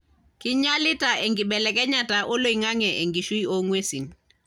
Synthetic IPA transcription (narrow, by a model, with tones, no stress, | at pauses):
kɪ˦ɲa˦lɪ˦ta˨ɛ˨ŋɡi˨ɓɛ˨lɛ˨kɛ˦ɲa˨taʔɔ˦lo˦iŋa˦ŋɛ˨ʔe˨ŋɡi˨ʃu˦i˦o˦ŋwe˦si˨n